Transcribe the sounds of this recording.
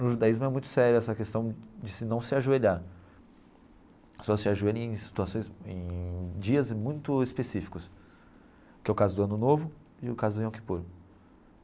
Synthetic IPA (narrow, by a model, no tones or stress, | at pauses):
nʊʒud̪aizmʊɛmũj̃t̪ʊ̥sɛɾjʊɛsɐkest̪ɐ̃w̃d͡ʒɪsɪnɐ̃w̃sɪaʒueʎaɾ | sɔsɪaʒueʎ̃ẽj̃si̥t̪uasõj̃zẽd͡ʒiɐzmũj̃t̪ʊɪspesifi̥kʊs | kɪɛʊkazʊd̪ʊɐ̃nʊnovʊ | ɪʊkazʊd̪ʊɐ̃w̃kɪpuɾ